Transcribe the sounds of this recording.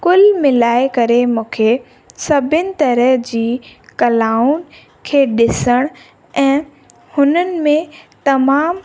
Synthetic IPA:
kʊlmɪlaːekɐɾemũːkʰe | sɐbʱɪnɪ̆t̪ɐɾəɦd͡ʑiːkɐlaːʊn | kʰeːɗɪsəɽ̃ | ɛ̃ː | hʊnənɪ̆mẽt̪ɐmaːm

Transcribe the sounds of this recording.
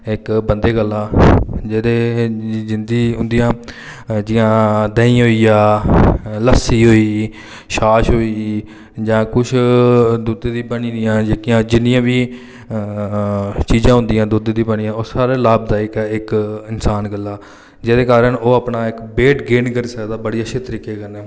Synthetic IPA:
ɪkbənd̪eːɡəlːaːd͡ʒeːd̪eːd͡ʒɪnd̪iːɦʊ̃nd̪ɪjãː | d͡ʒɪjãːd̪əːĩːɦoːiːaː | ləsiːɦoːiː | ʃaːʃɦoːiː | d͡ʒãːkʊt͡ʃʰd̪ud̪eːd̪iːbəɳiːd̪ijãːd͡ʒeːkijãːd͡ʒɪnɪjãːʋiː | t͡ʃiːzãːɦʊ̃nd̪ɪjãːd̪uːd̪eːd̪ĩːbəɳĩjãːoːsaːɾeːlaːbd̪aːɪkːɪkɪnsaːnɡəlːaː | d͡ʒeːd̪eːkaːɾəɳoːaːpnaːɪkbeːʈɡeːnkəɾiːsəkd̪aːbəɽiːəʃʰeːt̪əɾiːkeːkəɾneː

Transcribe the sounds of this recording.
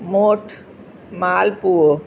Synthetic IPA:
moːʈʰ | maːlpuo

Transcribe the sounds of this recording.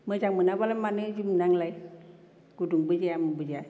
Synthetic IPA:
məd͡ʒaŋmənabalamanɯd͡ʒimnaŋlaj | kuduŋbəd͡ʒiamubəd͡ʒa

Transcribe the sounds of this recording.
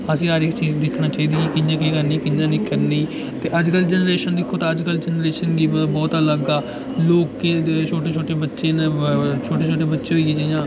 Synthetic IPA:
əsĩːəɾɪkt͡ʃiːzd̪ɪkʰnãːt͡ʃaːiːd̪iːikɪɲd͡ʒãːkeːkəɾniːkɪɲd͡ʒãːniːkəɾniː | t̪eːʔəd͡ʒkəld͡ʒənəɾeːʃənd̪ɪkʰːoːt̪ãːəd͡ʒkəld͡ʒənɾeːʃənɡiːbəbɔːt̪ələɡaː | loːkːet͡ʃʰoːʈeːt͡ʃʰoːʈeːbətːʃeːnt͡ʃʰoːʈeːt͡ʃʰoːʈeːbətːʃeːɦoiid͡ʒajãː

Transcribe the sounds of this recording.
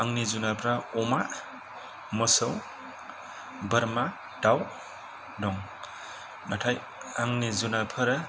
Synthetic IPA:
aŋnizunapʰɾaɔmaʔ | mɔsəw | bəɾma | d̥aw | dɔŋ | natʰaj | aŋnizunapʰɯɾ

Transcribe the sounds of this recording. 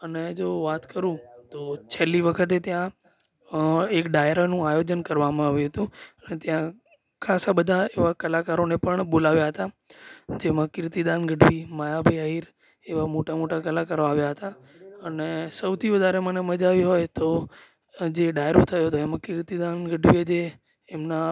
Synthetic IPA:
əned͡ʒoʋat̪kəɾũt̪ot͡ʃʰeliʋəkʰət̪̬et̪jã | ekɖajɾanũajod͡ʒənkəɾʋamãaʋjũɦət̪ũənet̪jã | kʰasabəd̪ʱaeʋakəlakaɾonepəɳɓolaʋjaɦət̪a | d͡ʒemãkɪɾt̪id̪anɡəɖʋimajabʱəjaɦiɾ | eʋamoʈamoʈakəlakaɾoaʋjaɦət̪a | ənesəʋt̪ʰiʋəd̪ʱaɾeməneməd͡ʒaʋiɦojt̪o | d͡ʒeɖajɾot̪ʰəjoɦt̪oemãkɪɾt̪id̪anɡəɖʋied͡ʒeː | mna

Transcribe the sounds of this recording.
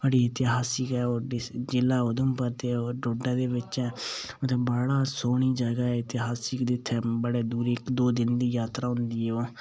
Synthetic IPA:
bəɽiːet̪eɦaːsɪkɛːoːɖɪd͡ʒɪlːaːʊd̪əmpəɾt̪eːoːɖoːɖɛ̃ːd̪eːʋɪt͡ʃɛːʊt̪ʰẽːbəɽaːsoːɳ̃iːd͡ʒəɡaːɛːt̪ːeɦaːsɪkd̪ɪt̪ʰːɛːbəɽeːd̪uːɾɪkd̪oːd̪ɪnd̪iːjaːt̪ɾaːɦʊ̃nd̪iːɛoː

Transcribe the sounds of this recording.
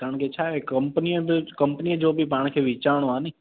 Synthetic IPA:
kaɾəɳket͡ʃʰaːekəmpəniebkəmpnied͡ʒoːbʱipãːɽ̃kʰeʋit͡ʃaːɽ̃oãne

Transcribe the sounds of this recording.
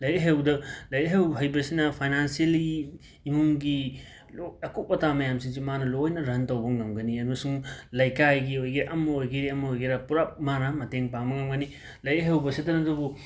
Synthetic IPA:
lɐjeɦewdɐlɐjeɦewɦɐjbɐsinɐpʰajnansieliː | muŋɡi | loɐkup̚ːɐtamɐjamsiŋzimanɐlojnɐɾɐntowbɐŋɐmɡɐniɐɾɐsuŋlɐjkajɡiojɡiɾaʔɐmːɐojɡiɾiɐmɐojɡiɾapuɾap̚manɐmɐteŋpaŋbɐŋɐmɡɐni | lɐjeɦewbɐsitɐnɐdɐbu

